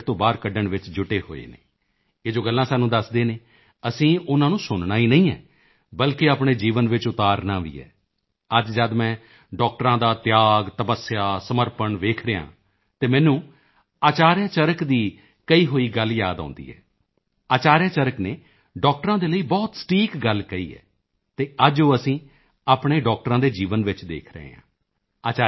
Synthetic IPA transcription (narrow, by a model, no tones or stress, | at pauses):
t̪õːbaːɾkəɖəɳʋɪt͡ʃd͡ʒʊʈeːɦo̰ːḛːnḛː | eːd͡ʒoːɡəlːãːsaːnũːd̪əsd̪eːneː | əsĩːʊnãːnũːsʊnnaːiːnəĩːɛ̰ː | bəlkeaːpɳ̃eːd͡ʒiːʋənʋɪt͡ʃʊt̪aːɾnaːʋḭːɛ̰ː | əd͡ʒd͡ʒad̪mɛ̃ː | ɖɔːk̚ʈɾãːd̪aːt̪jaːɡt̪əpəsːjaːsəməɾpəɳʋeːkʰɾəjã̰ː | t̪eːmɛ̃ːnũː | aːt͡ʃaːɾjaːt͡ʃəɾəkd̪iː | kəiːɦoːiːɡəljaːd̪ã̰ːnd̪ḭːɦɛ̰ː | aːt͡ʃaːɾjãːt͡ʃəɾəkneː | ɖɔːk̚ʈəɾãːd̪eːləiːbɔːt̪sə̥ʈiːkɡəlkəḭːɛ̰ː | t̪eːəd͡ʒoːəsĩː | aːpɳeːɖɔːk̚ʈəɾãːd̪eːd͡ʒiːʋənʋɪt͡ʃd̪ḛːkʰɾə̰ɦḛːã̰ː | aːt͡ʃa